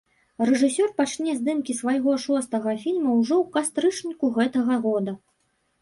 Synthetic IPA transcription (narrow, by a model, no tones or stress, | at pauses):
rɛʐɨsʲɔrpat͡ʂnʲɛzd̪ɨmkʲisvɐjɣɔʂɔst̪ɐɣɐfʲilʲmɐwʐɔwkast̪ɾɨt͡ʂnʲikuɣɛt̪ɐɣɐɣɔd̪ɐ